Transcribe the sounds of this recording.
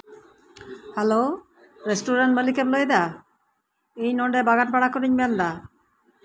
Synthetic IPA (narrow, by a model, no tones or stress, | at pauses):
hɛlo | ɾesʈuɾaɳʈməlikɛplojd̪a | iɲnɔɳɖɛbaɡaʈ̚baɽakɔɾiɲbɛand̪a